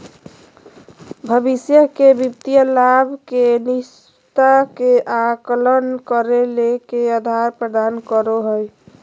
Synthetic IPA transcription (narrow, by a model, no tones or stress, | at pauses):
bʱəbisjəkebipt̪ijəlabʱkenis | t̪akeʔaklənkəɾelekeəd̪ʱaɾpɾəd̪ankəɾoɦəj